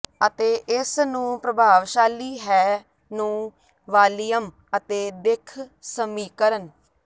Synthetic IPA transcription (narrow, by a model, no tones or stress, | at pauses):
ət̪eːʔɪsnũːpɾəbʱaːʋʃaːliːɦɛː | nũː | ʋaːlijəm | ət̪eːd̪ɪkʰsəmiːkəɾən